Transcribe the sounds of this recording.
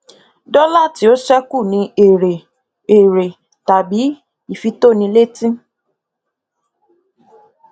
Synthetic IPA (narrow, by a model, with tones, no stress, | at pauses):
dɔ˦la˦˨ti˧˦o˦ʃɛ˦ku˦˨nĩ˧˦e˨ɾe˨ | e˨ɾe˨ | ta˨bi˨˦ | i˦˨fi˧to˦˨nĩ˧le˦tĩ˦